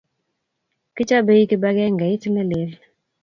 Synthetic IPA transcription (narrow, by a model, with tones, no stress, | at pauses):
kɪ˦t͡ʃa˦be˦i˦kɪ˦ba˦ɡɛ˦ŋɡɛ˨i˦ti˦lɛ˦lɪ˨˦l